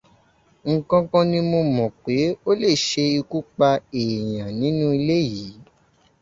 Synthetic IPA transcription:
ŋ̩˨kã˦˧kã˧nĩ˧mo˧mɔ̃˨k͡pe˨˦o˦le˦˨ʃe˧i˧ku˦k͡pa˧e˨j̃ã˨nĩ˨˦nũ˦i˧le˦ji˨˦

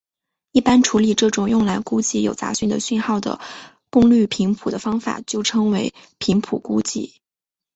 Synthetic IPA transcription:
i˥˩pa˥nʈ͡ʂʰu˧˥li˨˩ʈ͡ʂɤ˥˩ʈ͡ʂʊ˨˩ŋjʊ˥˩ŋla˧˥ɪku˥t͡ɕi˥˩jo˨˩ʊt͡sa̰˧˥ɕy˥˩nd̪ə̰˩ɕy˥˧nxɑ˥˩ʊd̪ə̰˩ | kʊ˥˧ŋly˥˩pʰi˧˥ŋpʰu˨˩d̪ə˦fɑ˥ŋfa̰˨˩t͡ɕjo˥˩ʊʈ͡ʂʰɤ˥ŋwe˧˥ɪpʰi˧˥ŋpʰu˨˩ku˥t͡ɕi˥˩

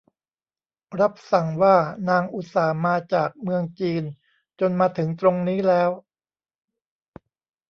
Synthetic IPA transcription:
ɾa˦˥p̚sa˨˩ŋwaː˥˩naː˧ŋʔu˨˩t̪̚saː˩˦maː˧t͡ɕaː˨˩k̚mɯ˧əŋt͡ɕiː˧n | t͡ɕo˧nmaː˧t̪ʰɯ˩˦ŋt̪ɾo˧ŋniː˦˥lɛː˦˥w

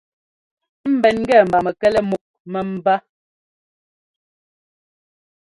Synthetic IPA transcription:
m̩˦bɛ˨nŋ̩˦ɡɛ˦˨m̩˨ba˨mɛ˨kɛ˦lɛ˦mu˨k̚mɛ˨m̩˦ba˦

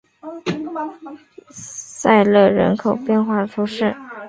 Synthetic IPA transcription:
sa˥˧ɪlɤ˥˩ɻə̰˧˥nkʰo˨˩ʊpjɛ˥˧nxwa˥˩ʈ͡ʂ̪ʰu˥ʂɻ̩˥˩

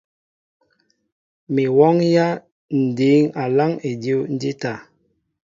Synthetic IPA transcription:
mi˨wɔ˦ŋja˦ | n̩˨di˨˦ŋa˨la˦ŋe˨di˦n̩˦di˦ta˨

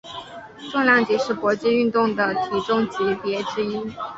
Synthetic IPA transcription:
ʈ͡ʂʊ˥˧ŋljɑ˥˩ŋt͡ɕi˧˥ʂɻ̩˥˩pwɔ˧˥t͡ɕi˥˧y˥˧nt̪ʊ˥˩ŋd̪ə˩t̪ʰi˨˩ʈ͡ʂʊ˥˩ŋt͡ɕi˧˥pjɛ˧˥ʈ͡ʂɻ̩˥i˥

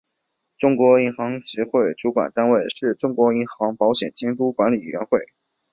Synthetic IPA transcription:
ʈ͡ʂʊ˥ŋkwɔ˧˥i˧˥nxɑ˧˥ŋɕɛ˧˥xwe˥˩ɪʈ͡ʂu˧˥kwa̰˨˩nt̪a˥nwe˥˩ɪʂɻ̩˥˩ʈ͡ʂʊ˥ŋkwɔ˧˥i˧˥nxɑ˧˥ŋpɑ˧˥ʊɕjɛ̰˨˩nt͡ɕjɛ˥ŋt̪u˥kwa˧˥nli˨˩˨ɥɛ̰˧˥nxwe˥˩ɪ

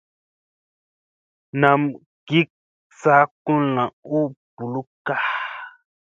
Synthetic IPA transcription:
nã˨m | ɡ̥i˦k̚ | sa˦ku˦lã˨u˦b̥u˨lu˦ka˦

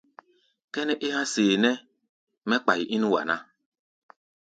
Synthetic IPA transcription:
kɛ˦nɛ˦ʔɪ˦ɦã˦seː˨nɛ˦ | mɛ̃˦k͡pa˨ji˨ʔi˦nũ˦wa̰˨nã˦

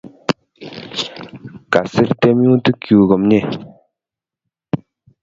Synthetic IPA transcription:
ka˩˨se˥rt̪e˥mjo˥ŋt̪ə˥˨kːu˩˨ɣə˩˨mɲe˨

